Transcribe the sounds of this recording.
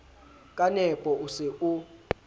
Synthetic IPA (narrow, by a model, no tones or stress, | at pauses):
kʼanɛpʼɔʔusɛu